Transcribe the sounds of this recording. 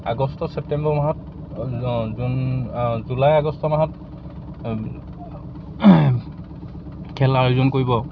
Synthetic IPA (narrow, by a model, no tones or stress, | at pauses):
a̰ɡɔstɔsɛp̚tɛmbɔmaɦɔt | zunzulajaɡɔstɔmaɦɔt | kʰɛlaɹuzɔnkoɹibɔ